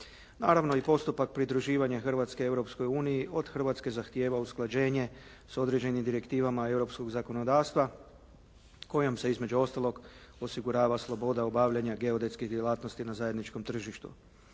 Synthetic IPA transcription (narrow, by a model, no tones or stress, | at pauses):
naːɾaʋno̞ipo̞st̪upak̚pɾid̪ɾuʒiːʋaɲaxr̩ʋat̪skeewɾo̞psko̞juːnijiʔo̞d̪xr̩ʋat̪ske̞zaxt̪je̞ːʋausklˠad͡ʑe̞ːɲe̞ | so̞d̪ɾe̞d͡ʑe̞nimd̪iɾe̞kt̪iːʋamae̞wɾo̞psko̞ɡzako̞no̞d̪aːʋst̪ʋa | ko̞jomse̞izme̞d͡ʑuo̞st̪alˠo̞ɡo̞siɡuɾaːʋaslˠo̞bo̞d̪aobaːʋʎaɲaɡe̞od̪e̞t̪skiɣd̪je̞lˠaːt̪nost̪inazaje̞d̪nit͡ʃko̞mt̪r̩ʒiʃt̪ṵ